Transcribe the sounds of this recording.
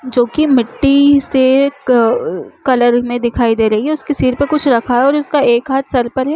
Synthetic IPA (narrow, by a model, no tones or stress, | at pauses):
d͡ʒoːkimɪʈːise | kɐləɾmẽd̪ɪkʰaːid̪eːɾɐɦiɦɛʊskesiːɾpɐɾkʊt͡ʃʰɾɐkʰaɦɛɔːɾʊskaeːkɦaːt̪ʰsɐɾpəɾɦɛː